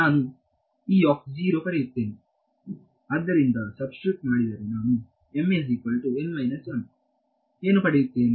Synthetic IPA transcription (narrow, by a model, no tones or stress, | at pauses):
naːnu | iːɔːkd͡ʒiːɾoːpɐɾejit̪ːe̞ːni | ɐd̪ːɐɾind̪ɐsɐbskɾip̚ʈmaːɽid̪ɐːɾinaːnu | emes̬ikɐlʈuenʋɐjnɐt͡ʃaːm | eːnupɐɽejit̪ːeːni